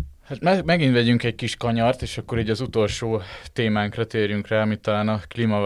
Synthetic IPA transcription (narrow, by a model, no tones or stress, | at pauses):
hat̪mɛmɛɡint̪ʋɛɟyŋkɛɟ̚kiʃkɒɲɒrt̪eːʃɒkːo̞ɾiːɟɒzut̪o̞lʃoːt̪eːmaːŋkrɒt̪eːrjyŋkraːɒmit̪ːɒlaːnɒklimɒ